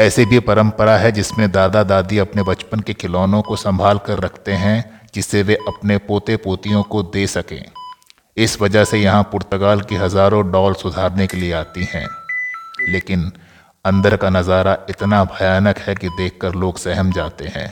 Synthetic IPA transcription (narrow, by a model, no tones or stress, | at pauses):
ɛːsebʱipɐɾə̃mpəɾaɦɛd͡ʒɪsmẽd̪aːd̪ad̪aːd̪iɐpnebɐt͡ʃpənkekɪlɔːnõkosɐ̃mbʱaːlkɐɾːɐkʰt̪eɦɛ̃d͡ʒɪsːeʋeʔɐpnepoːt̪epoːt̪ijõkod̪eːsɐkḛ̃ː | ɪsʋɐd͡ʒəɦsejɐɦãpʊɾt̪əɡaːlkiɦɐzaːɾõɖɔːlsʊd̪ʱaːɾnekelieaːt̪ihɛ̰̃ː | leːkɪn | ɐ̃nd̪əɾkanɐzaːɾaɪt̪nabʱɐjaːnəkhɛkid̪eːkʰkəɾloːɡsɛɦəmd͡ʒaːt̪eɦɛ̰̃ː